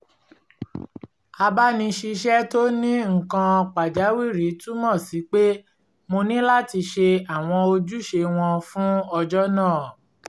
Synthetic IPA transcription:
a˧ba˦nĩ˧ʃi˧ʃɛ˦to˦nĩ˦ŋ̩˨kã˧ɔ˧k͡pa˨d͡ʒa˨˦wi˦˨ɾi˨˦tũ˦mɔ̃˦˨si˨˦k͡pe˦ | mo˧nĩ˦la˦ti˧ʃe˧a˨w̃ɔ̃˧o˧d͡ʒu˦ʃe˧w̃ɔ̃˧fũ˦ɔ˧d͡ʒɔ˦nãː˦˨

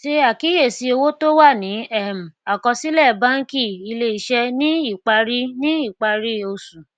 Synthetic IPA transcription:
ʃe˦a˦˨ki˨˦je˦˨si˧o˧wo˦to˦wa˦˨nĩ˨˦ɛ˦˨m̩˨a˨kɔ˧si˦lɛ˦˨ba˦ŋ̩˦ki˦˨i˧le˧˦i˨ʃɛ˧nĩ˦i˦˨k͡pa˧ɾi˦nĩ˦i˦˨k͡pa˧ɾi˦o˨˧sũ˨

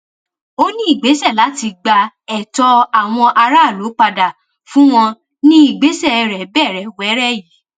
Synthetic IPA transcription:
o˦nĩ˦i˦˨ɡ͡be˨˦sɛ˦˨la˨˦ti˧ɡ͡ba˧ | ɛ˨tɔ˧a˨w̃ɔ̃˧ʔa˧ɾa˦˨lo˨˦k͡pa˧da˨ | fũ˦w̃ɔ̃˧ | nĩ˦i˦˨ɡ͡be˨˦sɛ˦˨ɛ˧ɾɛ˨bɛ˦˨ɾɛ˨wɛ˨˦ɾɛ˦ji˨˦

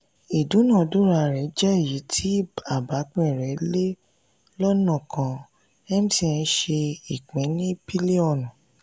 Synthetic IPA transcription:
i˨dũ˨˦nã˦˨du˦ɾa˧˨ɾɛ˨˦d͡ʒɛ˦i˨ji˨˦tʰi˦ba˨ba˨˦k͡pẽ˦˨ɾɛ˨˦le˦ | lɔ˦nã˦˨kʰã˧ | ɛ˦m˦sĩ˦˧˨ɛ̃˧ʃe˧i˨k͡pĩ˨˦nĩ˦pi˦li˦ɔ˦˨nũ˨

